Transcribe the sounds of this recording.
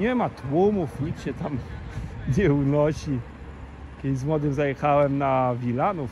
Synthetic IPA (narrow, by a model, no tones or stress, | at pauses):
ɲɛmat̪wumufɲit͡sɕɛt̪am | ɲɛunɔɕi | kʲɛd̪ɪzmwɔd̪ɘmzajɛxawɛmnavʲilanuf